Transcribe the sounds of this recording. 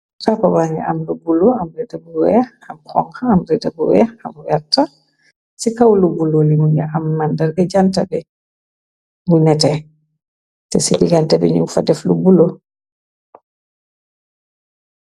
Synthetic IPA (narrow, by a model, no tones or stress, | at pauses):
kapabaŋɡɛ̰ʔamlubulɔamɾɛdabuwɛ | amkɔ̰ŋhaːmɾɛdabṵwɛ̰a̰mjatːa | sikawlubulolimuɲɡɛʔamːandaɾbɛd͡ʒantabɛ | ŋɡunɛtɛ | tɛsiliɡantabɛ̰ɲṵŋfadɛflubulo